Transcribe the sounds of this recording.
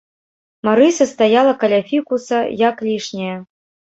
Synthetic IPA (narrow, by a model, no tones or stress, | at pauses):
maɾɨsɐst̪ajalˠɐkalʲafʲikusɐjaklʲiʂnʲɛjɐ